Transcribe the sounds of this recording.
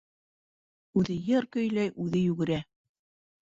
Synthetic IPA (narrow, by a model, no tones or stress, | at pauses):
ʉðɘjɤɾkɵ̆jlæjʔʉðɘjʉɡɘ̆ɾæ